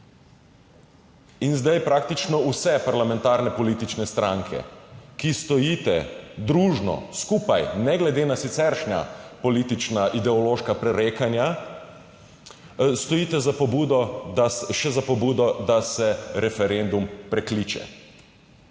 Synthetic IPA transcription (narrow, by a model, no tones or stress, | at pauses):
inzd̪ajpɾak̚t̪it͡ʃnɔusɛpaɾlamɛ̃nt̪aɾnɛpɔlit̪it͡ʃnɛst̪ɾʔãŋkʰɛ̰kist̪ɔjiːt̪ɛ̰d̪ɾuːʒnɔ̰skupajnɛɡlɛd̪eːnasit̪sɛɾʃna̰pɔliːt̪it͡ʃnaʔid̪ɛɔloːʃkapɾɛɾekanja | st̪ɔjiːt̪ɛzapɔbuːd̪ɔaʃɛzapɔbuːd̪ɔd̪asɛɾɛfɛɾend̪umpɾɛkliːt͡ʃɛ̰